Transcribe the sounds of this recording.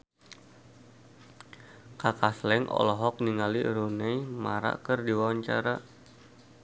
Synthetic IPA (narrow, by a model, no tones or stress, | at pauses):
kakaslɛŋʔɔ̰lɔɦɔk̚niŋaliɾunɛjmaɾa̰kərdiwawaɲt͡ʃa̰ɾa